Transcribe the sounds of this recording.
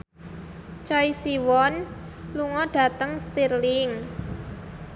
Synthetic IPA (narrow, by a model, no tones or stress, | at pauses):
t͡ʃɔisiwɔn | luŋɔɖ̥ä̤t̪əŋst̪irlɪŋ